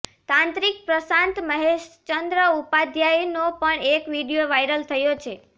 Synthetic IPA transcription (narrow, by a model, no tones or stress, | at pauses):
t̪ãnt̪ɾik̚pɾəsãnt̪məɦeʃt͡ʃənd̪ɾəupad̪ʱjajnopəɳekʋiɽijoʋajɾəlt̪ʰəjot͡ʃʰe